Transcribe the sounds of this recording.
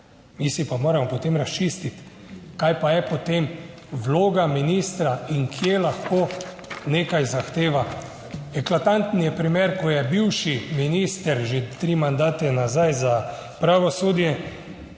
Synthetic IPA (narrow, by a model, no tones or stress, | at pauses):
misipamoːɾamɔpɔt̪emɾast͡ʃiːst̪it̪kajpajɛpɔt̪em | ʋloːɡaminiːst̪ɾaiŋkʰjelaxkoː | neːkajzaxt̪eːʋa | ɛklat̪ant̪nijɛpɾimeɾkɔjɛbiwʃiminiːst̪ɛɾʒet̪ɾiːmand̪aːt̪ɛnazajzapɾaʋɔsoːd̪jɛ